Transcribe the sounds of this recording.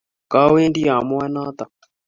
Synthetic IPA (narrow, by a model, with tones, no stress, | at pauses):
ka˦we˦ndi˦jaː˨mu˦a˦naː˦t̪a˨